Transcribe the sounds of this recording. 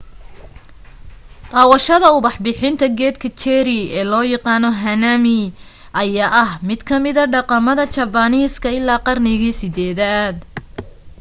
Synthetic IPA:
t̪ʼɑːwɐʃɐðɐʊβɑħbɪħɪnt̪ʰɐɡɛːd̪kʰɐt͡ʃɛɾɪɛːlɔːjɑqɑːnɔɦɐnaːmɪ | ʔɐjaːʔɐhmɪd̪kʰɐmɪðɐɖɑqɑmɐðɐt͡ʃɐbɐniːskʰɐɪlːaːqɑrnɪɣiːsɪd̪ɛːðaːd̪

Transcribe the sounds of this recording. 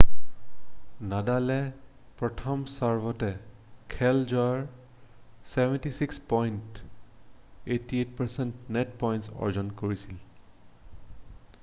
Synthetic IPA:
nadalɛ | pɹɔtʰɔmsaɹbɔtɛ | kʰɛld͡ʒaɹ | sɛbɛntisikspɔjnt | etiet̚paɹsɛntnɛtpɔjntsɔ̰ɹd͡ʒɔnkoɹisil

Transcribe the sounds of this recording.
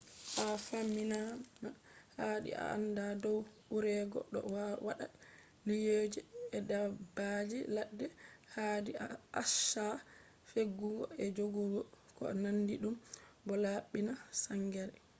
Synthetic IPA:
ʔafamːinanahaɗḭa̰ʔa̰ndadɔw | uɾɛɡɔ̰ɗɔ̰wawaɗa | lijoːd͡ʒiɛdabad͡ʒilaɗːɛhadiaaʃa | feɡːuɡɔ̰ɛd͡ʒoɡuɡɔkɔ̰nandiɗumbɔlaɓinasaŋɡɛɾɛ

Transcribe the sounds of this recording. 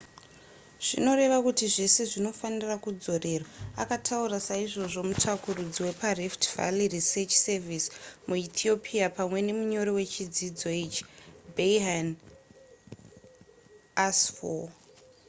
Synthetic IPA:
ʐ̥ino̞ɾe̞ʋakutiʐe̞se̞ʐino̞fanirakud͡zo̞re̞ːrwaa̰katʰauɾasaiʐo̞ʐo̞mutʰakurud͡ziwe̞pariftva̰liriset͡ʃsevismuit̪ʰio̞pʰiapamwe̞ne̞muɲo̞ɾowe̞t͡ʃid͡zid͡zo̞it͡ʃi̥beiɦan | asfo

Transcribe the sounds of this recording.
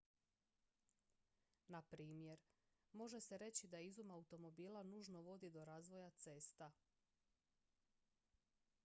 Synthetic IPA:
napɾiːmje̞ɾ | mo̞ʒe̞se̞ɾe̞t͡ɕid̪aizumaut̪o̞mo̞biːlˠanuːʒno̞ʋo̞d̪id̪o̞ɾaːzʋo̞jat̪se̞st̪a

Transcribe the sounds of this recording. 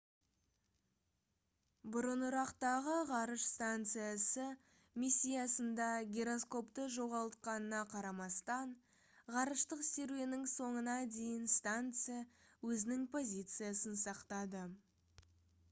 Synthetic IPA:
bʊɾənʊɾɑqt̪ɑʁəʁɑɾəʃst̪ant̪sɨjasə | misʲːijasənd̪ɑɡʲeɾo̞sko̞pt̪əʒo̞ʁɑlˠt̪̚qɑnənɑqʰɑɾɑmɑst̪ɑɴ | ʁɑɾəʃt̪əqseɾvenɪŋso̞ɴənɑd̪e̞jɪnst̪ant̪sɨjawɵzɪnɪŋpʰo̞zʲit̪sɨjasənsɑqt̪ɑd̪ə

